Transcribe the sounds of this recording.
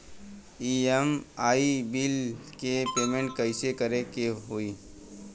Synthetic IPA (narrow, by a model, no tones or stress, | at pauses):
iemaːibilkepeːmẽɳʈ̚kəɪsekəɾekeɦoiː